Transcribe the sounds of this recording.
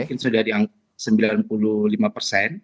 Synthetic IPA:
kɪnsudahdiaŋka | səmbilanpululimapərsɛn

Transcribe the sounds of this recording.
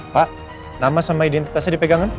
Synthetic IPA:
paʔ | namasamaidɛnt̪i̥t̪asadipɛɡaŋan

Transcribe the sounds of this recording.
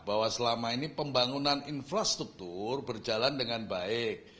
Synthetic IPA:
b̥awasəlamainipəmbaŋunaninfɾast̪ɾuk̚t̪urbərd͡ʒalandəŋanbaɪk̚

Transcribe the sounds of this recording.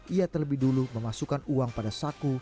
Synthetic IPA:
ʔiat̪ərləbɪhduluməmasukanuaŋpadasaku

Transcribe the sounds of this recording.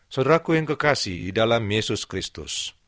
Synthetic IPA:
sədəɾakujaŋkəkasḭhdidalamjesʊskɾist̪ʊ̰s

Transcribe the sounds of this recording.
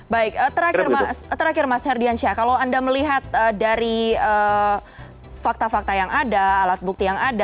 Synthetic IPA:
baɪk̚ət̪əɾakrast̪əɾakɪrmashɛrdianʃakalowandaməliɦat̪̚ədaɾiə | fak̚t̪afak̚t̪ajaŋadaːlat̪̚buk̚t̪ijaŋada

